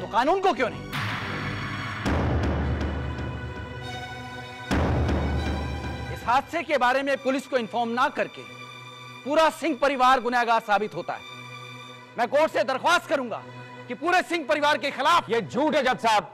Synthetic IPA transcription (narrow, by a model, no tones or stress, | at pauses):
t̪oqaːnuːnkok̬jõːnɛ̰̃ | ɪsɦaːt̪sekebaːɾemẽpʊlɪskoɪnfɔːɾmnakɐɾkḛ | puːɾasɪ̃ŋɡ̚pɐɾɪʋaːɾɡʊnaːɡasaːbɪt̪ɦoːt̪a̰ɦɛ̰ː | mɛ̃ːkoːʈsed̪ɐɾxwaːst̪̚kɐɾũːŋɡa̰ː | kipuːɾesɪ̃ŋɡ̚pɐɾɪʋaːɾkexɪlaːfjeːd͡ʒʱuːʈɦɛd͡ʒɐt̪saːb̚